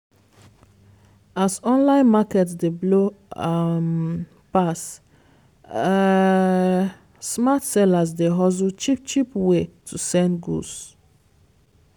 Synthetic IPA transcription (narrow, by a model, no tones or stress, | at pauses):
asɔ̃nlãɪ̃nmakɛtsdeblo | m | pas | smatsɛlasdeɦɔz̬ut͡ʃip̚t͡ʃipwetʰusɛ̃nɡṵs